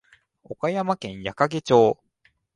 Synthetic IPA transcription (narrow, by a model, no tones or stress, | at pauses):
okajamakẽ̞ɰ̃jakaɡe̞t͡ɕo̞ː